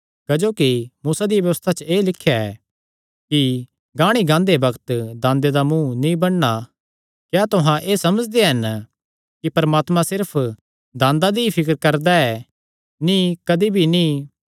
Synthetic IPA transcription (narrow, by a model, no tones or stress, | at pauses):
kɐd͡ʒoːkimuːsad̪ijʋjɐʋəst̪ʰat͡ʃəeːlɪkʰːjaɛ̰ː | ki | ɡãːɽ̃iɡãːnd̪ebɐɡt̪d̪ãːnd̪ed̪amũnĩbɐɽːa | kjaːt̪ʊɦãʔeːsɐməd͡ʒd̪eɦɐn | kipɐɾmaːt̪mãsɪɾpʰ | d̪ãːnd̪ad̪iipʰɪk̬əɾkɐɾd̪aɛ | nĩkɐd̪ibʱinĩ